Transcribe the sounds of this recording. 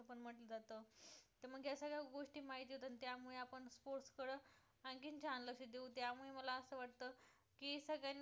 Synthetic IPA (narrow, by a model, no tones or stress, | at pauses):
pəɳm̤əʈləd͡zat̪əːt̪əɾm̤əɡjasəɡɭjaɡoʂʈiːmaɦit̪iɦot̪anit̪jamuɭeapəɳspoɾʈskəɽə | ankint͡ɕanləɕid̪eut̪jamuɭeməlaəsəːʋaʈ̚t̪ə | kisəɡɭjanː